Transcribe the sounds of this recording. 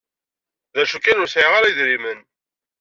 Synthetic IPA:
ðæʃukːænʊɾsʕiʁaɾiðɾimən

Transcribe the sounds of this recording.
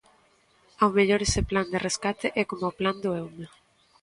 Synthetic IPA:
awmeʎoɾesepland̪ereskat̪eʔɛkomopland̪oewme

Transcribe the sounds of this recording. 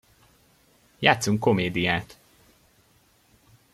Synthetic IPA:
jaːt̪suŋkːo̞meːd̪ijaːt̪

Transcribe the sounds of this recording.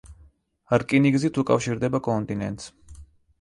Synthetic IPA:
ɾkʼiniɡzit̪ʰukʼa̰fʃiɾd̪ɛbakʼɔnt̪ʼinɛ̰nt̪ʼs

